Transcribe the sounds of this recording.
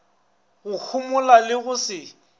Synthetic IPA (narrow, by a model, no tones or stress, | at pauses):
ɣʊk͡xʰʊmʊlalɪɣʊsɪ